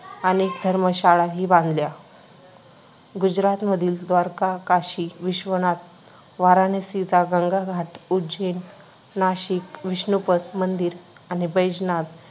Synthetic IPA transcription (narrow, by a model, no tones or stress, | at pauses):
anikd̪ʱəɾməɕaɭaɦiːbãnd̪lja | ɡud͡ʑɾat̪məd̪ʱiːld̪ʋaɾkakaɕiʋiɕʋənat̪̚ | ʋaɾanesid͡zaɡãŋɡʱaɡʱaʈud͡ʑen | naɕikʋiɕnupət̪mənd̪iːɾanibəjd͡ʑnat̪